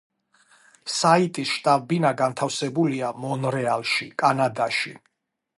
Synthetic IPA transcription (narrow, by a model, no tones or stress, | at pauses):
sait̪ʼisʃt̪ʼabbinaɡant̪ʰafsɛbuliamɔnɾɛalˠʃikʼanad̪aʃi